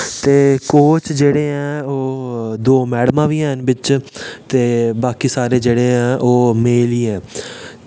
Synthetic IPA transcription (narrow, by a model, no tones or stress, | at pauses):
t̪eːkoːt͡ʃd͡ʒeːɽeːɛ̃ːoːd̪oːmɛːɽmãːʋiːɛːnʋɪt͡ʃt̪eːbaːkiːsaːɾeːd͡ʒeːɽeːɦɛ̃ːʔoːmeːliːɛ̃ː